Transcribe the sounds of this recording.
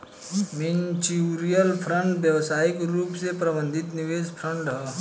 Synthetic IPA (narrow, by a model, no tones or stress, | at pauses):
mɪnt͡ʃiɾijəlpʰɾə̃ɳʈʋjɐʋsaːɪkɾuːpsepɾɐbə̃nd̪ʱɪt̪nɪʋeːspʰɾə̃ɳʈɦɛ